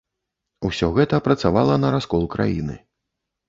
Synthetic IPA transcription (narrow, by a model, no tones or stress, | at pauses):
uwsʲɔɣɛt̪ɐpɾɐt̪savalˠɐnɐɾaskɔlˠkɾʔa̰jḭnɨ̰